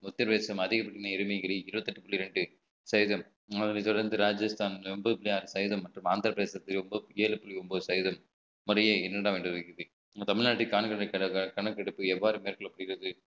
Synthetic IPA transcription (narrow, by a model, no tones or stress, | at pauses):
ʊt̪ːɐɾʋeːsɐmɐðɪɣɐpːɐɽnɐɪɾɯmɐjɡɐɾiɪɾɯbɐt̪ːɐʈːɯpʊɭlːiɾɛɳɖɯ | sɐjðɐm | ɐðɐnit̪ɔɽɐɾnd̪ɯɾaːd͡ʒɐst̪ʰaːnʋɛmbɐðɯpɪlɪjaːɾɯsɐjðɐmːɐʈrɯmaːnd̪ɐɾɐpɾɐðeːsɐt̪ːɪlɔmbɐeːlɯpːʊɭiɔmboːsɐjðɐmː | ʊɾɐjeːɪnːɐɽaːʋeːɳɖɯɾɐkːɪɐðɯ | t̪ɐmɪɭnaːʈːikaːnɐkɐɳkɐkɐɳɐkːɐɽɯpːɯɛʋːaːɾɯmeːɾkɐɭɐpːɐɽɪɣɪɾɐðɯ